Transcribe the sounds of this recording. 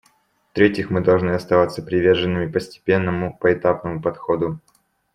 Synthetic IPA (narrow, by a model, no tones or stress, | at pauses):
ft̪ɾʲetʲɪxmɨd̪ɐlˠʐnɨɐst̪ɐvat̪sːəpɾʲɪvʲe̞rʐɨnːɨmʲɪpəsʲtʲɪ̥pʲe̞nːəmʊpəɪt̪apnəmʊpɐt̪xo̞d̪ʊ